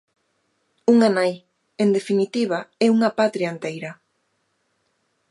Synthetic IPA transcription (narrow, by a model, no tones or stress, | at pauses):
uŋanaj | end̪efinit̪iβ̞aɛuŋɐpat̪ɾiaent̪ejɾɐ